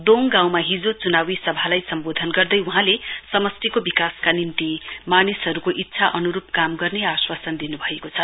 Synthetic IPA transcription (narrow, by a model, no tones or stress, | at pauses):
d̪oŋɡãwmaɦid͡zot͡sunawisʌbʱalajsʌmbod̪ʱʌnɡʌrd̪ʌjuɦãlesʌmʌst̪ikobikaskanint̪imanisɦʌɾukoʔitːsʰaʔʌnuɾupkamɡʌrneaswasʌnd̪inubʱʌekot͡sʰʌ